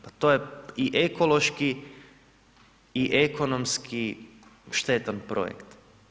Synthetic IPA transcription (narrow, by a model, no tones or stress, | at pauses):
pat̪ojeiʔekolo̞ʃki | iʔekonomskʰi | ʃt̪e̞t̪anpɾo̰jḛkt̪